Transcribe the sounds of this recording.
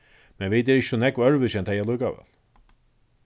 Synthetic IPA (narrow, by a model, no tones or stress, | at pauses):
mɛnvɪt̪̬ɛɾɪçsɔnɛkvœɾvʏsɛnt̪ʰajalœɥkavɛ̰ːl